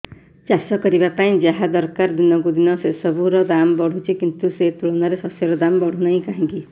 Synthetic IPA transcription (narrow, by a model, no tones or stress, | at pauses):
t͡ʃasɔkɔɾibapaĩd͡ʒaɦad̪ɔɾkaɾd̪inɔkud̪inɔsesɔbuɾɔd̪amɔbɔɽ̤ut͡ʃʰikint̪uset̪uɭɔnaɾesɔsjeɾɔd̪ambɔɽ̤unaĩkaɦĩŋki